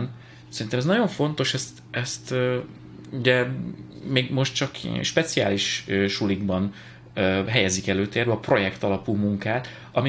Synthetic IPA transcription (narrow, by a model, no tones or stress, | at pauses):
n | sɛɾint̪ɛmɛznɒɟo̞ɱfo̞n̪t̪o̞ʃɛst̪ | ɛst̪ː | uɟɛ | meːɡmo̞ʃt̪t͡ʃɒkʃpɛt̪sija̰ːliʃøʃuliɡbɒn | øɦɛjɛzikɛløːt̪eːrɾbɛɒpro̞jɛkt̪ɒlɒpuːmuŋkaːt̪ | ɒmi